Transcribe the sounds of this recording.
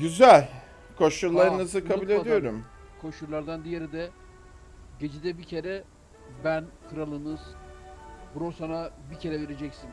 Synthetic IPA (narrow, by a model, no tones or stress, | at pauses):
ɟyzælʲ | kʰoʃuɾlˠaɾɯnɯzɯkʰabulʲe̞d̪ijo̞ɾum | kʰoʃuɾlˠaɾd̪and̪ijeɾid̪ɛ | ɟe̞d͡ʒid̪ɛbicʰe̞ɾɛ | bænkʰɯɾalˠɯnɯz̥ | buɾosanabicʰe̞ɾɛve̞ɾe̞d͡ʒɛcsin